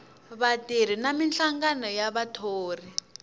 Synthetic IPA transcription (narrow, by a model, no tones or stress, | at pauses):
βatiɾ̤inaminɬaŋɡanɔjaβatʰoːri